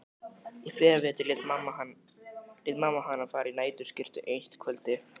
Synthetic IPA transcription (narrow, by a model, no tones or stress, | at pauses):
ifɛːɾavɛːt̪ɪlɪt̪mama | lɪt̪maːmaɦanːafaːɾinaːjt̪ʏɾscɪr̥t̪ʏʔejnst̪kʰœlt̪ɪ